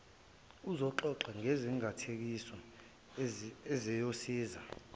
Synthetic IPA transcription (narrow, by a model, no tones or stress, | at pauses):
uzɔǃɔǁaŋʱeziŋʱatʰek̬isɔ | ɛzɛjosiːza